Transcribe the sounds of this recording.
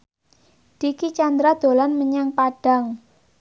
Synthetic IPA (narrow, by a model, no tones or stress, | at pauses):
d̪̥ikit͡ʃand̪ɾad̪̥o̤lanməɲaŋpaɖ̥a̤ŋ